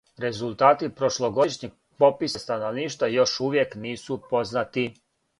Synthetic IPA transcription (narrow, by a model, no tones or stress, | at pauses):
ɾe̞zulˠt̪aːt̪ipɾoʃloɡo̞iʃɲiɡ | po̞pisast̪ano̞ʋniːʃt̪vajo̞ʃuʋje̞kniːsupo̞znat̪i